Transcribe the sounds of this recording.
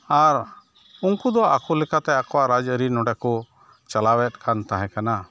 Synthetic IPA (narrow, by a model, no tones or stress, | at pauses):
aɾ | uŋkud̪ɔʔakɔlɛkat̪ɛakɔwaʔɾad͡ʒəɾinɔɖɛkɔ | t͡ʃalawɛt̪̚ˀkʰant̪aɦɛ̃kana